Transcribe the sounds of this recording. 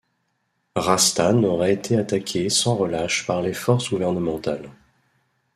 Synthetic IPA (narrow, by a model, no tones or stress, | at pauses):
ʁast̪anɔʁɛet̪ʰeat̪akʲʰesɑ̃ʁəlaʃpaʁlefɔʁsɡuvɛʁnəmɑ̃t̪al